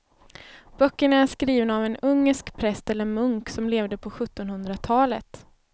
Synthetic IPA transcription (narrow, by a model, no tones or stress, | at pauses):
b̥œkːəɳaæʂkɾiːvənavɛnɵŋːəʂkpʰɾɛst̪ɛlːəɾmɵŋksɔmleːvd̪əpʰɔɧɵt̪ːɔnhɵnd̪ɾat̪ʰɑːlə̰t̪